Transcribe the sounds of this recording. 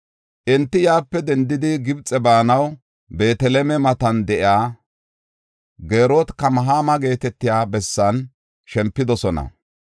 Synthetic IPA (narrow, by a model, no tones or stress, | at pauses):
ʔɛnt̪ːɪjaːpːɛd̪ɛnd̪ɪd̪ɪɡɪbt͡sʼɛbaːnɐw | be̞ːt̪ɛlɛmɛmɐt̪ɐnd̪ɛʔɪaː | ɡe̞ːɾoːt̪kɐmɐɦaːmɐɡe̞ːt̪ɛt̪ːɪjaːbɛsːɐn | ʃɛmpːɪd̪ɔsɔnɐ̰